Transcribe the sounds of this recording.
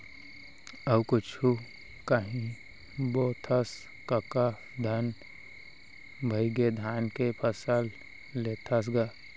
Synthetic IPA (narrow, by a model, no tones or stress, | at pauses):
əbkʊt͡ʃʰu | kaɦĩ | boːt̪ʰəs | kəka | d̪ʱɐn | bʱəɪɡed̪ʱaːnkepʰəsəl | leːt̪ʰas̬ɡa